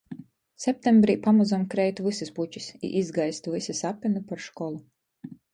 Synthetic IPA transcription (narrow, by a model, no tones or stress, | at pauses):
sɛp̚ʲt̪ʲembɾiːpamuzamkɾɛjt̪vɨsisput͡ʃisḭʔizɡajst̪uvɨsisapʲinupaɾʃkɔlˠu